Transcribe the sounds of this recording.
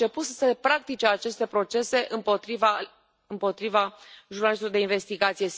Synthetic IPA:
t͡ʃe̞put̪səsepɾak̚t̪it͡ʃe̞at͡ʃe̞st̪e̞pɾo̞t͡ʃe̞se̞ʔɨmpot̪iva | ɨmpo̞t̪ɾivaʒurnalist̪lod̪e̞inve̞st̪iɡat̪sije̞

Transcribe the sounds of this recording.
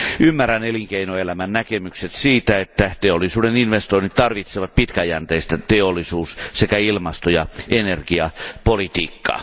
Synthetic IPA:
ʔymːæræneliŋkeinoelæmænnækemykset̪siːt̪æet̪ːæt̪eolːˑisuːdeninʋest̪oinit̪t̪ɑrʋit̪seʋɑt̪̚pit̪kæjænt̪eist̪æt̪eolːisuːssekæilmɑst̪ojɑʔenerɡ̥iɑpolit̪ḭːkːɑ̰ː

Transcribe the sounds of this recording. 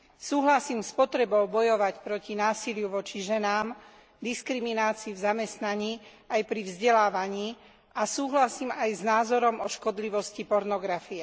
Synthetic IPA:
suːɦlasiːmspɔt̪ɾɛbɔʊbɔjɔʋacpɾɔcinaːsilɪjuʋɔt͡ʃiʒɛnaːm | d̪iskɾiminaːt͡siːvzamɛst̪naɲiː | ajpɾivzɟɛlaːʋaɲiː | ʔasuːɦlasiːmajznaːzɔɾɔmɔʃkɔd̪liʋɔscipɔɾnɔɡɾafiɛ

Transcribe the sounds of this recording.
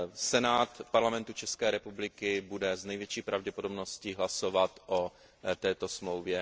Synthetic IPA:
sɛnaːt̪paɾlamɛnt̪ut͡ʃɛskɛːɾɛpublɪkɪbudɛznɛjvjɛt͡ʃiːpɾʔavɟɛpodobnosciɦlasovat̪ʔo | t̪ɛːt̪o̞smlowvjɛ

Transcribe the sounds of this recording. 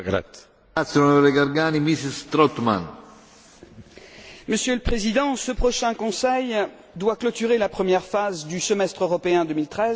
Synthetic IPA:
ɡɾa̰t̪ | at̪sonɔɾeɡaɾɡaːnimisist̪ɾɔt̪ma̰n | məsjøləpχezid̪ɑ̃səpχɔʃɛ̃kɔ̃sɛj | d̪waklɔt̪yʁelapχəmjɛʁfazd̪ysəmɛst̪χøʁɔpeɛ̃d̪əmilt̪χɛz

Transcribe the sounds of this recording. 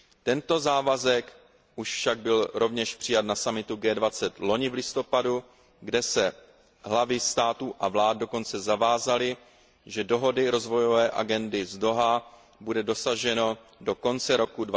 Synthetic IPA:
t̪ɛnt̪o̞zaːvazɛk | ʔuʃfʃaɡ̚bɪlɾo̞vɲɛʃpr̝̥ɪjat̪nasamɪt̪uɡɛːdvat͡sɛt̪lo̞ɲɪvlɪst̪o̞padu | ɡdɛsɛ | ɦlavɪst̪aːt̪uːʔavlaːd̚do̞ko̞nt͡sɛzavaːzalɪ | ʒɛdo̞ɦo̞dɪɾo̞zvo̞jo̞vɛːʔa̰ɡɛndɪzdo̞ɦa | budɛdo̞saʒɛno̞ | do̞ko̞nt͡sɛɾo̞kudva

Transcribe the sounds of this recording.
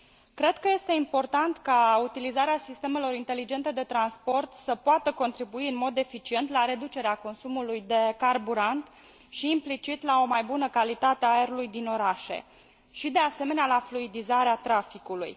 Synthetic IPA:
kɾe̞d̪kəje̞st̪e̞impo̞rt̪ant̪kaut̪ilizaɾeasist̪e̞me̞lo̞ɾint̪e̞lid͡ʒe̞nt̪e̞d̪e̞t̪ɾanspo̞rt̪səpoat̪əko̞nt̪ɾibuiɨnmo̞d̪e̞fit͡ʃie̞nt̪laɾe̞d̪ut͡ʃe̞ɾeako̞nsumulujd̪e̞karbuɾant̪ | ʃiːmplit͡ʃit̪lao̞majbunəkalit̪at̪eaeɾulujd̪ino̞ɾaʃe̞̰ | ʃid̪e̞ase̞me̞nealafluid̪izaɾeat̪ɾafikulṵj

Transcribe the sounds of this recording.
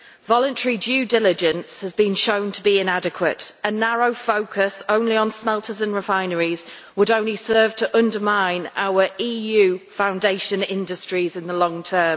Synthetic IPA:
vɒlə̃ntʰɛɹid͡ʒʉːdɪlɪd͡ʒə̃nshəzbĩnʃõʊ̃ntʰəbiɪ̃nadɪkʰwətənaɹoʊfoʊkʰəsõʊ̃nliə̃nsmɛlˠtʰəzə̃nɹɪfãɪ̃nəɹiz̥ | wəɾõʊ̃nlisɜːv̥tʰəʔʊ̃ndəmãɪ̃na̰ʊəɹʔiːjʉːfãʊ̃ndeɪʃə̃nɪ̰̃ndəstɹ̥izɪ̃nðəlɒ̃ŋtʰɜːm

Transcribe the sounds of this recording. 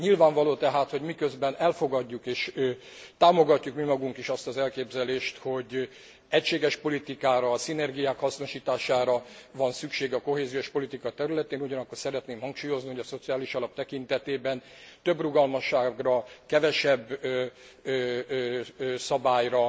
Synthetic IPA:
ɲilvaːɱvɒloːt̪ɛɦaːt̪ho̞ɟmikø̞zbɛnɛlfo̞ɡɒɟːukeːʃ | t̪aːmo̞ɡɒcːukmimɒɡuŋkiʃɒst̪ɒzɛlkeːbzɛleːʃt̪ho̞ɟ | ɛcʃeːɡɛʃpo̞lit̪ikaːɾɒsinɛrɡijaːkhɒsno̞ʃiːt̪aːʃaːɾɒvɒnsykʃeːɡɒko̞ɦeːzijo̞ʃpo̞lit̪ikɒt̪ɛɾylɛt̪eːnuɟɒnɒkːo̞rsɛɾɛt̪neːmhɒŋkʃuːjo̞zniho̞ɟɒso̞t̪sijaːliʃɒlɒp̚t̪ɛkint̪ɛt̪eːbɛn | t̪øbruɡɒlmɒʃːaːɡrɒkɛvɛʃɛbː | sɒbaːjrɒ

